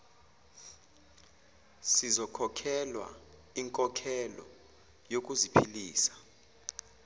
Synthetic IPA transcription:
sizɔkʰɔkʰɛlwa̰ | iŋkʼɔkʰɛlɔ̰ | jok̬ʼuzipʰiliːsḁ

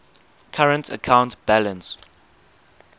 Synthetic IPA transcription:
kʰaɹə̃ntʰə̰kʰãʊ̃ntb̥ælə̃ns

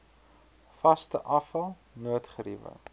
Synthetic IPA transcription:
fɐstəʔɐfɐlˠ | nuətχəɾivə̰ŋ

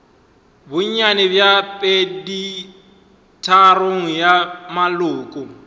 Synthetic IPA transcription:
bʊɲɲanɛbjapʼedi | tʰaroŋ̩jamalʊːkʼʊ

